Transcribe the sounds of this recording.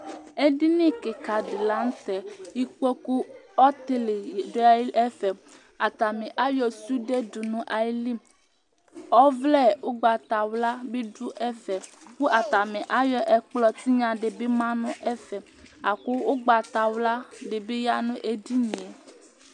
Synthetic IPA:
e˦ɖi˦nĩ˦ke˨ka˨ɖe˨la˦ŋ̩˦t̪ɛ˨ji˦k͡po˦ku˦ɔ˦t̪e˦le˨ɖo˦a˦e˦fɛ˨ | a˨t̪a˨mẽ˨ʔa˦jɔ˦su˦ɖe˦du˨nũ˨ʔa˨ji˦li˦m | ɔ˦vlɛ˦˨wo˦ɡ͡ba˨t̪a˨wla˦be˦ɖu˦ʔɛ˦fɛ˨k͡pu˦ʔa˨t̪a˨mẽ˨ʔa˦jɔ˦ʔe˨k͡plɔ˦t̪i˦ɲã˨ɖe˨be˦mã˦nũ˦ʔe˦fɛ˨ | a˨ko˦wo˦ɡ͡ba˨t̪a˨wla˦ɖe˨be˦ja˦nũ˦ʔe˦di˦ɲĩ˨e˨

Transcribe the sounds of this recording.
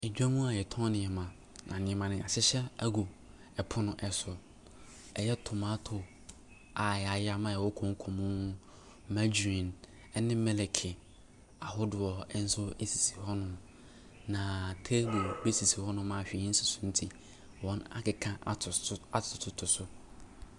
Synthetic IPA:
e˨d͡ʑᶣa˦mũ˦a˨jɛ˨tʰɔ̃˦nɪ̃˨ɛ˨mã˨ | nã˨nɪ̃˦ɛ̃˦mã˨nɪ̃˨a˨ɕɪ˦ɕɛ˦æ˦ɡo˨ | ɛ˨pʰʊ˦nʊ̃˦ʔɛ˨sʊ˨ | ɛ˨jɛ˦tʰʊ˨mã˦tʰʊ˨ | a˨jɛ˨a˨ja˦mã˦˨ɛ˨wɔ˦kʰɔ̃˨ŋ˦kʰɔ̃˨mũ˦ | ma˦d͡ʑĩ˨n | ɛ˦nɪ̃˦mɛ˦lɛ˨kʰɪ˨ | a˨hʊ˦dʊ˨ɔ˨ɛ˦n̩˦sʊ˦e˦si̥˨si̥˨hɔ˦nʊ̃˦ | nã˨tʰe˦ɡo˨be˦si˨si˨hɔ˦nʊ̃˦mã˦˨hᶣĩ˦n̩˦sʊ˨sũ˦n̩˦tʰi˨ | wɔ̃˦na̰˨kɪ˨kʰã˦˨a˦tʰʊ˨tʰʊ˨tʰʊ˨sʊ˦

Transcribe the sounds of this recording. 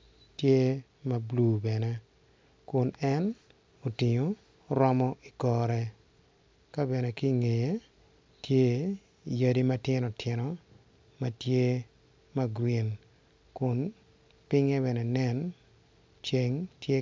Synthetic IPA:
tje˦ | ma˨blu˨bɛ˨nɛ˦ | kʊ˨nɛ˦n | o˨ti˨ɲo˨ | ɾɔ˦mɔ˦i˨kɔ˨ɾɛ˦ | ka˦bɛ˨ne˨ki˦ŋe˨je˦ | tje˦˨ | ja˦di˦ma˦tɪ˦nɔ˨tʰɪ˨nɔ˨ | ma˦tje˦ | ma˦ɡwi˨n | kʊ˨n | pɪ˦ŋe˦βɛ˨nɛ˨nɛ˦n | t͡ʃe˦ŋtje˦

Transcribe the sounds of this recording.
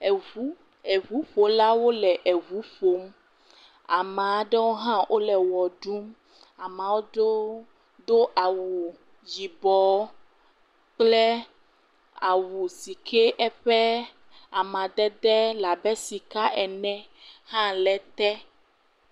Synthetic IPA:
ɛ˨u˦ | ɛ˨vu˨˦ɸo˨la˦wo˦lɛ˨ʔɛ˨βu˨˦ɸo˨˦m˦ | a˨mã˨ɖɛ˦wo˦ɦã˦ʔo˦lɛ˨wɔ˨ɖu˦m | a˨mã˨wo˦ɖo˦ | d̪o˦ʔa˨wu˨ | d͡ʒi˨bɔ˨˦ | k͡plɛ˦ | a˨wu˨si˨kʰe˦ʔɛ˦ɸɛ˦ | a˨mã˨d̪ɛ˦d̪ɛ˦la˨bɛ˦si˨ka˦ʔɛ˨nɛ̃˦hã˦lɛ˨t̪ɛ˦

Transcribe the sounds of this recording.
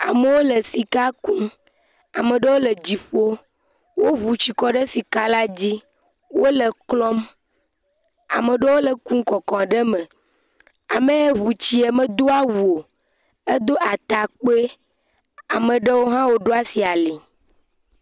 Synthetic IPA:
a˨me˨wo˦le˨si˨ka˦kũ˦ | a̰˨mə̃˨ɖə˦wo˦lə˨d͡ʑi˨ɸo˦ | wo˦ɦu˨t͡ɕi˨kɔ˦ɖe˦si˨ka˦la˦d͡ʑi˦ | wo˦le˨klɔ˦m | a̰˨mə˨ɖə˦wo˦lə˨kũ˦ŋ˦kɔ˨kɔ̃˨ɖe˦mẽ˨ | a˨mẽ˦e˦ɦu˨t͡ɕi˦e˨mə̃˦d̪o˦a˦wu˨o˨ | e˦d̪o˦ʔa˨t̪a˨k͡po˦e˦ | a˨mẽ˨ɖe˦wo˦ɦã˦wo˦ɖo˦a˦si˨a˨li˨

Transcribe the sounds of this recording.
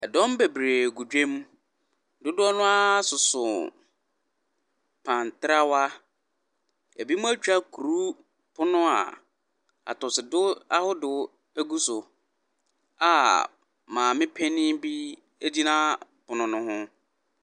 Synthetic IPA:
ɛ˨dɔ̃˦m˦be˨bɾeː˨ɡu˨d͡ʑᶣẽ˦m˦ | dʊ˦dʊ˦ɔ˦nʊ̃˦a˦sʊ˨sʊ̰˨ | pʰã˨n˨tɪ˦ɾa˦wa˦ | e˨bi˦mʊ̃˦æ˦t͡ɕᶣa˦kʰu˨ɾu˦ | pʰʊ˦nʊ̃˦a̰˨ | a̰˨tʊ˨sɪ˨dʊ˦a˦hʊ˦dʊ˦ | æ˦ɡu˦sʊ˨ | a̰˨ | mãː˨mɪ̃˦pʰɛ˦nɪ̃˦bi˦ | e˦di˦nã˦ | pʊ˨nʊ̃˨nʊ̃˦hʊ̃˦

